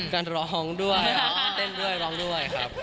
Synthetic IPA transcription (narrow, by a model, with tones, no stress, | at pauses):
kaː˧nɾɔː˨˧ɦɔː˦˥ŋdu˥˩əja˦aː˧nt̪e˥˩ndu˥˩əjɾɔː˧˦˥ŋdu˥˩əjkʰɾa˦˥p̚